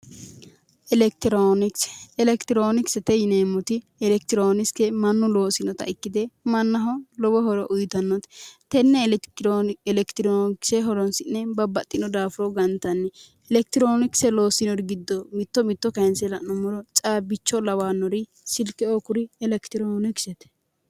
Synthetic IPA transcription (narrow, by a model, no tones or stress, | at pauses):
ʔɛlɛk̚t̪ɪɾonɪkɛlɛkt̪ɪɾoːnɪksɛt̪ɛjɪneːmːʊt̪ɪ | ɛlɛk̚t̪ɪɾoːnɪskɛmɐnːʊlo̞ːsɪnɔt̪ɐ̰ʔɪkːɪd̪ɛmɐnːɐɦɔlɔbɔɦɔɾɔʔʊjt̪ɐnːɔt̪t̪ɛnːɛ | ɛlɛkt̪ɪɾonɪksɛɦɔɾɔnsɪnːɛbɐbːɐt̪ʼːɪnɔd̪aːfʊɾɔɡɐnt̪ɐnːɛ | ɛlɛk̚t̪ɪɾoːnɪksɛlo̞ːsɪnɔɾɪɡɪd̪ːɔmɪt̪ːɔmɪt̪ːɔkɐɛnsɛlɐnɔmɔɾɔt͡ʃʼaːbɪt͡ʃːɔlɐwaːnːɔɾɪ | sɪlkːɛoːkʊɾɪɛlɛkt̪ɪɾoːnɪksɛt̪ɛ̥